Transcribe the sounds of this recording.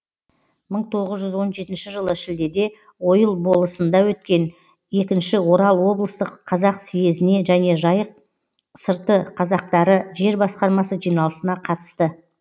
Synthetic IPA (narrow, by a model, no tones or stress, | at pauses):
məɴt̪ʰo̞ʁəzʒʏzwo̞nʒe̞t̪ɪnʃɪʒəlˠəʃɪld̪e̞d̪e̞ | wo̞jəlˠbo̞lˠəsənd̪ɑwɵt̪̚kʲe̞n | e̞kʲɪnʃɪwo̞ɾɑlˠwo̞blˠəst̪əqʰːɑzɑqsije̞zɪne̞ʒæne̞ʒɑjəq̚ | səɾt̪əqʰɑzɑq̚t̪ɑɾəʒe̞ɾbɑsqɑɾmɑsəʒijnɑlˠəsənɑqʰɑt̪ə̥st̪ə